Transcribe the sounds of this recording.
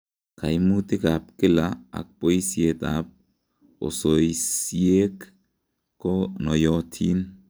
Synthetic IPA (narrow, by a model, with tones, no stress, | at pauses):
kʰa˨jmutɪ˦ka˨p̚kɪ˦laa̰˨k̚po˦isiet̪a̰p̚ | o̰˨sojsie˦k | kːonɔ˨jɔtʰi˦n